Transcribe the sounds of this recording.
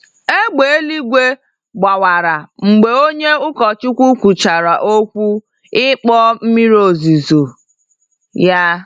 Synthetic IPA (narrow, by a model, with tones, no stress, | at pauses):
e˦ɡ͡be˨e˦li˦ɡʷe˦ | ɡ͡ba˨wa˨ɾa˨ŋ͡m̩˨ɡ͡be˨o˦ɲe˦ʊ˦kɔ˨t͡ʃʊ˦kʷu˦kʷu˨t͡ʃa˨ɾa˨ʔo˦kʷu˦ | ɪ˦k͡pɔ˦m̩˦mi˦ɾo˨zi˨zo˨ | ja˦